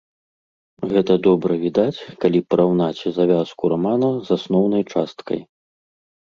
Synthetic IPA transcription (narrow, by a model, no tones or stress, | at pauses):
ɣɛt̪ɐd̪ɔbɾɐvʲid̪at͡sʲkalʲipɐɾawnat͡sʲzavʲaskuɾamanɐzasnɔwn̪ɐjt͡ʂast̪kʰɐ̰j